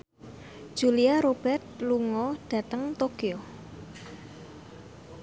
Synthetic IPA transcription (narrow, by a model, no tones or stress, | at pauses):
d̥ʒ̥uliaɾob̥ɛrt̪̚luŋɔɖ̥ä̤t̪əŋt̪okio